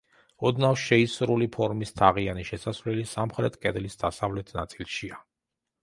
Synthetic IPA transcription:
ɔd̪nafʃɛisɾulipʰɔɾmist̪ʰaʁianiʃɛsasvlɛlisamχɾɛt̪ʰkʼɛd̪lisd̪̥asavlɛt̪ʰnat̪sʼilˠʃia

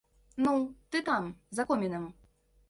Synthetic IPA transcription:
nut̪ɨt̪amzɐkɔmʲɛnɨm

